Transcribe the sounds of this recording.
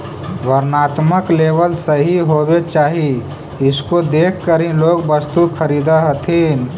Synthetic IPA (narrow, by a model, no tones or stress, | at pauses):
ʋəɾnaːt̪məkleːbəlsəɦiɦobet͡ʃaːɦi | ɪskod̪ekʰkəɾĩloːɡbəst̪ukʰəɾid̪əɦət̪ʰin